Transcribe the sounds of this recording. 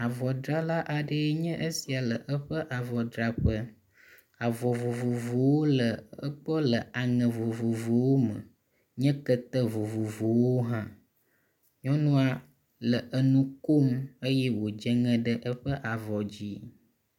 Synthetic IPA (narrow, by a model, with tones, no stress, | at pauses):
a˨vɔ˨dɾa˦la˦ʔa˨ɖə˦ɲɛ̃˦ʔə˦si˨a˨lə˨ʔə˦ɸə˦ʔa˨vɔ˨dɾa˨ɸə˦ | a˨vɔ˨vo˨vo˨vo˨wo˦lə˨ə˦k͡pɔ˦lə˨ʔa˨ŋə̃˨vo˨vo˨vo˨wo˦mə̰˨ | ɲɛ̃˦kə˦t̪ə˦vo˨vo˨vo˨wo˦ɦã˦ | ɲɔ̃˦nũ˦a˦ | lə˨ʔə˦nũ˦ko˦mə˦jɛ˦wo˨d͡ʒə˦ŋɛ̃˦ɖə˦ʔə˦ɸə˦ʔa˨vɔ˨d͡ʑi˦